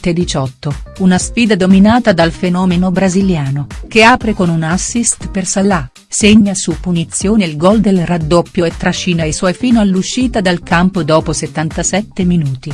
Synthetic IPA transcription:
t̪ed̪it͡ʃɔt̪ːounasfiːd̪ad̪ominaːt̪ad̪alfenɔːmenobɾaziljaːnok̟eaːpɾekonunasːist̪persalːa | seɲːasupːunit̪sːjoːneilɡɔld̪elrad̪ːɔpːjoet̪ːɾaʃːinaesɔjfiːnoalːuʃːiːt̪ad̪alkampod̪ɔːposet̪ːant̪asɛt̪ːeminuːt̪i

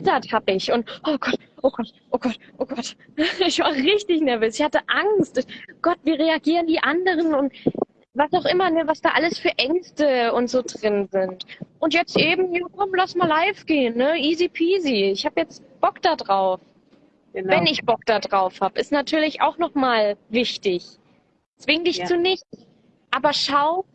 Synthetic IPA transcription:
ɪtɐthaːbəɪçʊntʔoːɡ̥ɔt | ʔoːɡ̥ɔtʔoːɡ̥ɔtʔoːɡ̥ɔt | ɪçv̥aːʁɪçtɪçnɛɐvøːsɪçhatəʔaŋstʊɡ̥ɔtv̥iːʁeaɡiːʁəndiːʔandəʁ̞ənʊnt | vasaʊxʔɪmɐnəvasd̥aːʔaləsfyːɐʔɛŋstəʊntz̥oːdʁɪnzɪntʔʊntjɛt͡stʔeːbm̩jaːkʰɔmlasmaːlaɪfɡ̥eːənːəʔiːzipʰiːziɪçhaːbəjɛt͡st | b̥ɔkd̥adʁaʊf | vɛnɪçb̥ɔk̚d̥adʁaʊfhaːbəɪstnatʰyːɐlɪça̰ʊxnɔχmaːlvɪçtɪç | t͡sv̥ɪŋdɪçt͡suːnɪçt͡s | ʔaːbɐʃaʊ

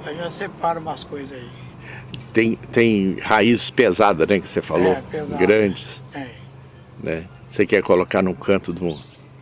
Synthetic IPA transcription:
aʒasepaɾɐũmɐskojzai | t̪ẽj̃t̪ẽj̃haizɪspezad̪ɐznɛkɪ̥sefaloezɡɾɐ̃d͡ʒɪsɛ | nɛ | sekɛɾkolokaɾnũkʰɐ̃nt̪ʊd̪ʊmũd̪ʊ

